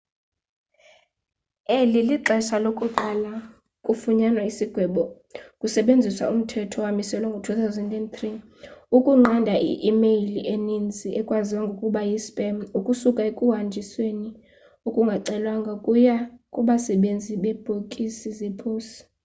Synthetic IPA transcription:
eliliǃɛsalokʼuǃala | kʼufuɲanwaisiɡ̥ʱwɛɓɔ | kʼusɛɓend͡zʱiswa̰um̩tʰɛtʰɔwamisɛlɔŋɡʱotʰut̪ʰawzɛndɛndt̪ri | ukʼuŋ͡ǁandʱaʔḭʔimejliʔenind͡zʱiɛkʼwaziwaŋɡʱokʼuɓajispʼɛmukʼusukʼaekʼuɦand͡ʒʱisweni | ukʼuŋɡʱaǀɛlwaŋɡʱakʼujakʼuɓasɛɓend͡zʱiɓɛb̥ʱokʼisizɛpʰoːsi̥

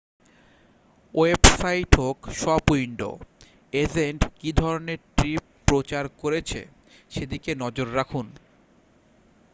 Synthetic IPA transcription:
oebsajʈʰokʃɔbuiɳɖo̰ | ezeɳʈkid̪ʱɔɾoneɾʈɾipːɾot͡ɕaɾkoɾet͡ɕʰḛ | ʃed̪ikenɔd͡ʑoɾːakʰun

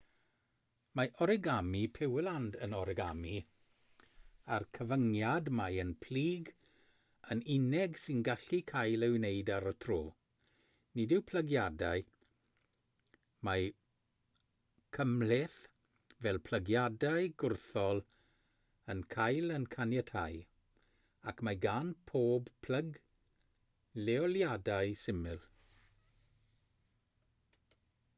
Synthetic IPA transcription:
maʔɔɾɪɡamipʰɪwlˠandənɔɾɪɡami | arkʰəvəŋjadmajənpʰl̥iːɡ | ənɪnɛɡsɪnɡaɬikʰajlˠɛwnejdaɾətʰroː | nidɪwpʰləɡjadaɨ | ma | kʰəmlɪθ | vɛlˠpʰl̥əɡjadajɡʊrθɔlˠ | ənkʰajlənkʰanjɛtʰaj | akʰmaɡanpʰoːbpʰləɡ | lɛɔljadajsɪmɨlˠ

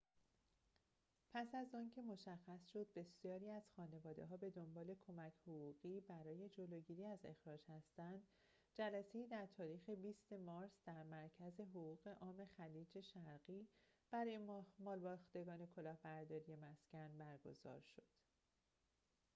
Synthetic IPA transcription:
pʰæsæzɒːncʰe̞mo̞ʃæxːæsʃo̞d̪̚be̞sijɒːɾiːæz̥xɒːne̞vɒːd̪e̞̰ɦɒːbe̞d̪o̞mbɒːle̞kʰo̞mæcʰhoɣuːɣiːbæɾɒːje̞d͡ʒo̞loɟiːɾiːæze̞̰xɾɒːd͡ʒhæst̪ænd̪ | d͡ʒælæse̞iːd̪æɾt̪ʰɒːɾiːxe̞biːst̪e̞mɒːɾsd̪̥æɾmæɾcʰæze̞ɦoɣuːɣ̥e̞ʔɒːme̞xæliːd͡ʒe̞ʃæɾɢiːb̥æɾɒjemmɒːlbɒːxt̪e̞ɡɒːne̞kʰo̞lɒːhbæɾd̪ɒːɾije̞mæscænbæɾɡo̞̰zɒ̰ːɾʃo̞d̪̥

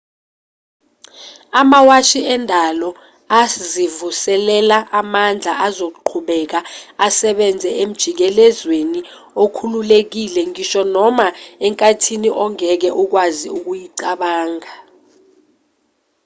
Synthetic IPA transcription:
amawaʃiɛndʱalɔ | azivusɛlɛlaʔamand͡ɮʱaʔazok̬uǃʰuɓɛk̬aasɛɓɛnd͡zʱɛem̩d̥ʒ̥ʱik̬ɛlɛzweni | okʰululek̬ilɛŋiʃɔnɔmaɛŋkʼatʰiniʔɔŋɛk̬ɛʔuk̬waziuk̬ujiǀaɓaːŋa

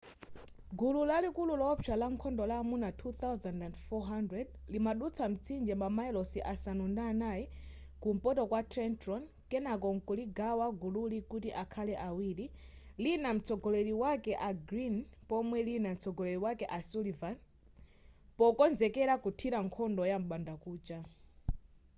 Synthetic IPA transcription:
ɡululalikululɔt͡ʃʰalaŋkʰɔndɔlaːmunatʰuθawzandandfɔɦandɾɛdlimaɗut͡sʰam̩t͡sʰind͡ʒɛmbamaɛlɔsiʔasanundanaji | kum̩pɔtɔkwatʰɾɛntɾɔn | kɛnakɔŋkuliɡawaɡululikutiʔakʰalɛʔawiːɾi | linam̩t͡sʰɔɡɔlɛɾiwakɛʔaɡɾinpɔmwɛlinam̩t͡sʰɔɡɔlɛɾiwakɛʔasulivan | pɔkɔnzɛkɛɾakutʰiɾaŋkʰɔndɔjam̩ɓandakuːt͡ʃa

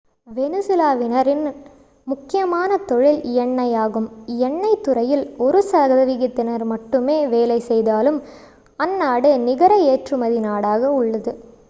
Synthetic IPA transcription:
ʋɛnɯsɪlaːʋɪnɐɾɪn | mʊkːɪjɐmaːnɐt̪ɔɻɪlɪjɐɳːɐjaːɣɯmjɛɳːɐɪt̪ːʊɾɐjɪlɔɾɯsɐɣɐðɐʋɪɣɪt̪ːɪnɐɾmɐʈːɯmeːʋeːlɐɪsɛjðaːlɯm | ɐnːaːɽɯnɪɣɐɾɐeːʈrɯmɐðɪnaːɽaːɣɐʊɭːɐðɯ

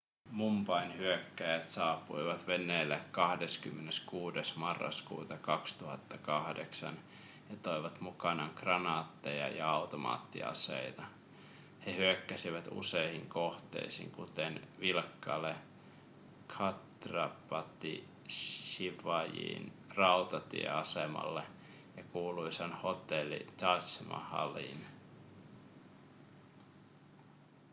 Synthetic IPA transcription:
mumpɑinhyøkːæjæt̪sɑːpːuiʋɑt̪ʋenːeːlːekkɑhdeskymːeneskuːdesmɑrːɑ̰skṵːt̪ɑkɑkst̪uhɑt̪ːɑkɑhdeksɑ̰n | jɑt̪oiʋɑt̪mukɑnɑŋkrɑnɑːt̪ːejɑ̰jɑ̰ɑut̪omɑ̰ːt̪ːḭɑ̰sḛit̪ɑ | hehyøkːæsiʋæt̪ṵseihiŋkoht̪ḛisḭŋkut̪enʋilkːɑle | kʰɑt̪rɑpɑt̪ːi | ʃiʋɑjḭːn | rɑut̪ɑt̪ḭḛɑsemɑ̰lːe | jɑkuːluisɑnho̞t̪elːḭt̪ɑsmɑ̰hɑ̰lḭn

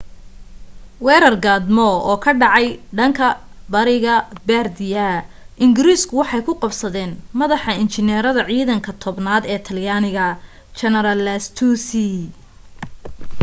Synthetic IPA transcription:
wɛːɾɐrɡaːd̪mɔɔːkʰɐɖɑʕɑjɖɐŋkʰɐ | bɐɾɪɣɐbɛːrd̪ɪjɐ | ʔɪŋɡɪɾiːskʰʊwɑħɑjkʰʊqɑbsɐðɛːnmɐðɑħɐɪnt͡ʃɪnɛːɾɐðɐʕiːðɐŋkʰɐt̪ʰɔbnaːd̪ɛːt̪ʰɐljaːnɪɣɐ | t͡ʃɐnɛɾɐlːɐst̪ʰusi

